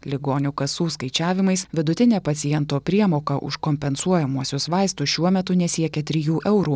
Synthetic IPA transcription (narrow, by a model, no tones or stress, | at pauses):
lʲɪɡoːnʲʊkɐsuːskɐɪt͡ʃʲæːʋʲɪmɐɪsʋʲɪd̪ʊt̪ʲɪnʲeːpɐt̪sʲɪjɛnt̪oːpʲɾʲiɛmoːkɐʔʊ̰ʃkɔmʲpʲɛnsuɔjɛmuɔsʲʊsʋɑɪst̪ʊʃʲuɔmʲɛt̪ʊnʲɛsʲiɛkʲɛt̪ʲɾʲɪjuːʔɛʊɾuː